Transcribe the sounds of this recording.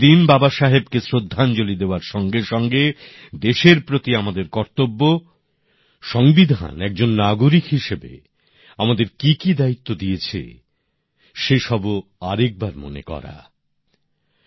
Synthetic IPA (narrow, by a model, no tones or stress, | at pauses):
inbabaʃaɦebkesɾod̪ʱːant͡ɕolid̪eoaɾʃɔŋɡeʃɔŋɡe | d̪eʃeɾpɾot̪iamad̪eɾkɔɾt̪obːo | ʃɔŋbid̪ʱa̰nɛk̚d͡ʑonːaɡoɾikɦiʃebḛ | amad̪eɾkikid̪ait̪ːod̪ijet͡ɕʰḛ | ʃeʃɔboaɾek̚baɾmo̰nḛkɔ̰ɾa̰